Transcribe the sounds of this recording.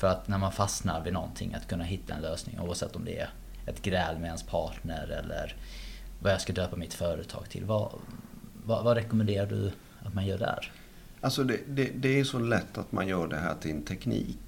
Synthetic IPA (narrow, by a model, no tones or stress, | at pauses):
fœɾat̪næɾmanfasnaɾvɪnɔnt̪ʰɪ̰ŋːʔa̰t̪kʰɵnːaɦɪt̪ːaɛ̰nløːsnɪ̰ŋʔṵːavsɛ̰t̪ːɔmd̪ɛɛ̰ | ɛt̪ɡɾɛːlmɛɛnspʰɑːʈɳəɾɛlːəɾvajɑːskad̪øːpamɪt̪fœːɾə̰t̪ʰɑ̰ːɡt̪ʰɪ̰lva̰ | vavaɾɛkɔmɛnd̪eːɾaɖɵ | at̪manjœːɖɛhæ̰ːɾ | alsɔd̪ɛd̪ɛd̪ɛæsɔlɛt̪ːat̪ma̰njœːɖɛɦæ̰ːʈʰɪt̪ʰɛknḭːk